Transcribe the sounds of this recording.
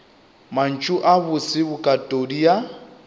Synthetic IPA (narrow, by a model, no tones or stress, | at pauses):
man̩t͡ʃʼʊʔaβʊsɪbʊkʼatʼodia